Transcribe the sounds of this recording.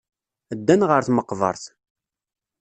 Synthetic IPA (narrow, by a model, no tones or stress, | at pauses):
əd̪ːænʁəɾθməqːvə̰ɾˤθ